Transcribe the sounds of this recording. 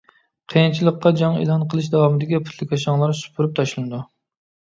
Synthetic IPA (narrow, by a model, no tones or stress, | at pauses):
qʰəjint͡ʃʰilˠəqːɑd͡ʒɑŋḛlˠɦɑnqʰəlˠɨʃ̬d̪ɑwɑmɨd̪ɪkʲipʰu̥t̪ʰlɪkʲɑʃ̬ɑŋlˠɑɾsu̥pʰuɾyp̚t̪ʰɑʃlˠɨnɨd̪u